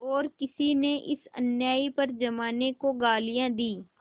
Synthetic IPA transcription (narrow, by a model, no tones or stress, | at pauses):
ɔːɾkɪsineʔɪ̰sə̰njaːipɐɾd͡ʒɐmaːnekoɡaːlɪjãːd̪iː